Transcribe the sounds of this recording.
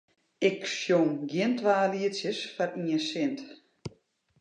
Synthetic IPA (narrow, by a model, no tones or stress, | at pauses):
ɪksjomɡjiəntʋaːliətsjəsfariəsɪnt